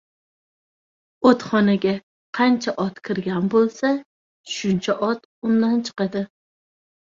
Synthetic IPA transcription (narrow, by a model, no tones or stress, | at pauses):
ot̪χɒnaɡʲa | qʰɑnt͡ʃʰaʔɒt̪kʲʰɪɾɡʲanbolˠsa | ʃʊnt͡ʃʰaʔɒt̪ | ʊnd̪ant͡ʃʰɨ̥qɨd̪ɪ